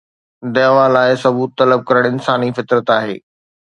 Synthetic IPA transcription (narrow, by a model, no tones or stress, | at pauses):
d̪ɐːɦʋalaːɪsɐbuːt̪ːɐləb̚kɐɾəɽ̃ɪnsaːnifɪt̪ɾət̪aːɦḛː